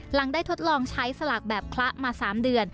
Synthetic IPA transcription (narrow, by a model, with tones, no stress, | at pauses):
la˩˦ŋdaː˥˩jt̪ʰo˦˥t̪̚lɔː˧ŋt͡ɕʰa˦˥jsa˧la˨˩k̚bɛː˨˩p̚kʰla˦˥ʔmaː˧saː˩˦mdɯ˧ən